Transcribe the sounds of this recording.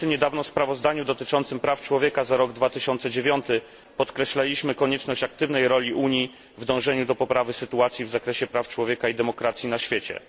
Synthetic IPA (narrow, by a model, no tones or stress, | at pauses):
ɲɛd̪avnɔspɾavɔzd̪aɲud̪ɔt̪ɘt͡ʂɔnt̪sɘmpɾaft͡ʂwɔvʲjɛkazaɾɔɡd̪vat̪ɘɕɔnt̪sɛd͡ʑevʲjɔnt̪ɘ | pɔt̪kɾɛɕlalʲiɕmɘkɔɲɛt͡ʂnɔɕt͡ɕak̚t̪ɘvnɛjɾɔlʲiʔuɲi | vd̪ɔ̃w̃ʐɛɲud̪ɔpɔpɾavɘsɘt̪uat̪sʲjivzakɾɛɕɛpɾaft͡ʂwɔvʲjɛkaid̪ɛmɔkɾat̪sʲjinaɕfʲjet͡ɕɛ̰